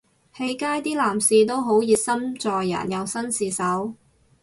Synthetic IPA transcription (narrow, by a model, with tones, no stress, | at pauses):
he˨˥jkaː˥jt̪iː˥laː˨˩msiː˨˧t̪̬o˥wɦo˨˥wjiː˧t̚sɐ˥mt͡sɔː˨jːɐ̰˨˩njɐ˨wsɐ˥nsiː˧sɐ˨˥w